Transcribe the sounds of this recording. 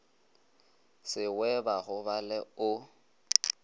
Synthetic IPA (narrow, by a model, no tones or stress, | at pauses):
sɪwɛbaɣʊβalɛʊ